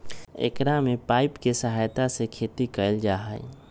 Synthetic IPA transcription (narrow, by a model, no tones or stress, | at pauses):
ḛkɾamẽpaːɪpkesəɦajt̪asekʰeːt̪ikəld͡ʒaːɦa̰j